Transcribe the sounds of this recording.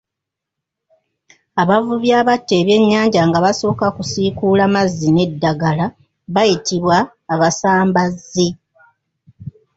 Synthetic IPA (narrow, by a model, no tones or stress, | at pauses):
aβavuβjaːβatːe̞ːβje̞ɲːaːɲɟaŋɡaβaso̞ːkakusikuːlamazːine̞dːaɡala | βajitiβwaː | βasaːmbazːi